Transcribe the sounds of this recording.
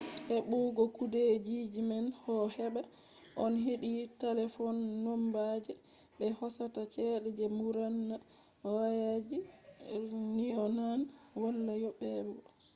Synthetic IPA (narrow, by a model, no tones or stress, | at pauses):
hɛɓuɡɔkudɛd͡ʒid͡ʒimanhɔhɛɓa | ʔɔnɦeɗitalɛfɔnːɔmbad͡ʒɛ | ɓɛhɔsatat͡ʃɛɗɛd͡ʒɛmuɾanːa | wajad͡ʒi | niɔnanwalːajɔɓɛbɔ